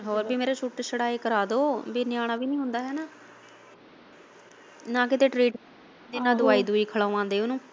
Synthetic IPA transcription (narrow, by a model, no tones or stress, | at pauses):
ɦoːɾbiːmeːɾeːt͡ʃʰuʈːsəɽaːeːkəɾaːd̪oːbiːnɪjaːɽ̃aːbiːnĩːɦʊ̃nd̪aːɦɛːnaː | nãːkɪt̪eːʈɾiːʈː | d̪eːnãːd̪ʊaːiːd̪uːiːkʰəɭaːʋãːnd̪eːʊnũː